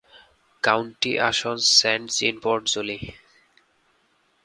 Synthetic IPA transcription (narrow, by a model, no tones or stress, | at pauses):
kawɳʈḭʔa̰ʃonssɛɳʈsinpoɾʈd͡ʑoli